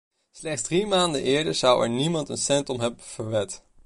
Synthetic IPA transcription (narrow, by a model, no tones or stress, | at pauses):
slɛχdzdrimaːndənʔɪːɹdəɹz̥ɑwɛ̰ɹnimɑntənsɛntɔmɦɛbəv̥əɹʋɛt